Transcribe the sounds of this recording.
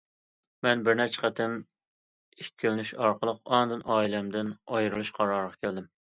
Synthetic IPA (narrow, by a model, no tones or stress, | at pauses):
mɛnbɪɾnɛt͡ʃʰə̥qʰət̪ʰɪm | ekʲʰːilnyʃɑɾqʰəlˠəqɑnd̪ɨnʔɑːilɛmd̪ɪnɑjɾɨlˠuʃqʰɑɾɑɾʁɑkʲʰæld̪ɪm